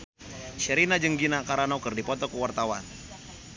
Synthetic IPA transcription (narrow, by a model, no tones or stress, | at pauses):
ʃəɾinad͡ʒəŋɡinakaɾanakərdipɔt̪ɔkəwart̪awan